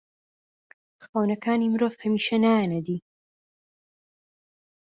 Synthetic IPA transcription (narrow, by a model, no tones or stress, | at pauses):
xawnɐkaːnimɨɾoːvhɐmiːʃɐnaːjanɐd̪iː